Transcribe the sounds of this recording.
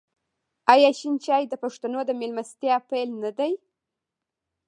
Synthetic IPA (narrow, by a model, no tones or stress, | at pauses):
ajɑʃint͡ʃɑjd̪əpaʂt̪anod̪əmelmast̪jɑpajlnad̪aj